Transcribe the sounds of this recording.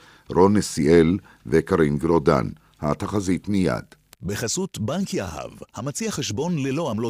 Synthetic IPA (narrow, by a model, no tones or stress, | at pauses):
ɾonesiel | vekaɾinɡɾod̪a̰n | hat̪aχazit̪mija̰d̪̥ | beχasut̪baŋkiaha̰vhamat͡siaχeʃbo̞nlelo̞amlo